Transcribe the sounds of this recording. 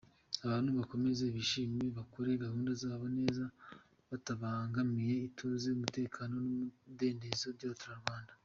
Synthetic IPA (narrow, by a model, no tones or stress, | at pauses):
aβaːn̥huβako̞me̞ze̞βiʃiːmiβakoɾe̞ɡahuːndazaːβane̞ːza | βataβaŋɡamije̞itʰuːzeumute̞ːkʰaːno̞nude̞ːnde̞zobɟaβatuɾaɾɡwaːnda